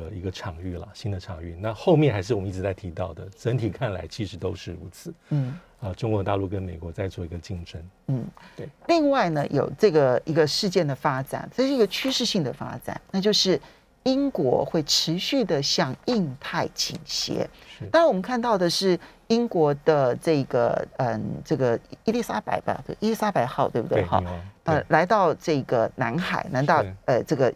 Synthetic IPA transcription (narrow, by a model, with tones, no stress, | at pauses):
ə˧i˧˥ɡə˧ʈ͡ʂʰɑ˨˩ŋy˥˩lɐ̰˩ɕi˥nd̪ə˨ʈ͡ʂʰɑ˨˩ŋy̰˥˩na˥˧xo˥˧ʊmjɛ˥˧nxa˧˥ɪʂɻ̩˥˩ɔ˨m˦i˥˩ʈ͡ʂɻ̩˧˥t͡sa˥˩ɪt̪ʰi˧˥t̪ɑ˥˩ʊd̪ə˩ʈ͡ʂə˧˥nt̪ʰi˨˩kʰa˥˩nla̰˧˥ɪt͡ɕʰi˧˥ʂɻ̩˧˥t̪o˥ʊʂɻ̩˥˩u˧˥t͡sʰɹ̩˥˩˦n̩˥˩ | ə˧ʈ͡ʂʊ˥ŋkwɔ˧˦t̪a˥˧lu˥˩kə˦˥nme˨˩ɪkwɔ˧˥t͡sa˥˧ɪt͡swɔ˥˩i˧˥ɡə˧t͡ɕi˥˩ŋʈ͡ʂə˥nn̩˥˩li˥˧ŋwa˥˩ɪnə˩jo̰˨˩ʊʈ͡ʂɤ˥˩ɡə˩i˧˥ɡə˧ʂɻ̩˥˧t͡ɕjɛ˥˩nd̪ə˩fa˥ʈ͡ʂa̰˨˩na˥˧ʂɻ̩˥˧˥ɡə˧t͡ɕʰy˥ʂɻ̩˥˧ɕi˥˩ŋd̪ə˩fa̰˥ʈ͡ʂa̰˨˩˦nna˥˧t͡ɕjo˥˧ʊʂɻ̩˥˩ | i˥ŋkwɔ̰˧˥xwe˥˩ɪʈ͡ʂʰɻ̩˧˥ɕy˥˩d̪ə˩ɕjɑ˥˧ŋi˥˧ŋt̪ʰa˥˩ɪt͡ɕʰḭ˨˩ŋɕjɛ̰˧˥na˥˧˥wɔ˨mə˦ŋkʰa˥˧nt̪ɑ˥˩ʊd̪ə˩ʂɻ̩˥˩ | i˥ŋkwɔ˧˥d̪̥ə˧ʈ͡ʂɤ˥˩ɡə̰˩ə˧nʈ͡ʂɤ˥˩ɡə˩i˥ljɛ˥˩sa˥pa̰˧˥ɪpa˧˥t̪i˥˩sa˥pa˧˥ɪxɑ˥˧ʊt̪we˥˩ɪbu˨t̪wḛ˥˩xɑ̰˥˩˧ɪə˧la˧˥ɪt̪ɑ˥˧ʊʈ͡ʂɤ˥˩ɡə˩na˧˥nxa˨˩ɪna˧˥nt̪ɑ˥˧ʊə˧ʈ͡ʂɤ˥˩ɡə˩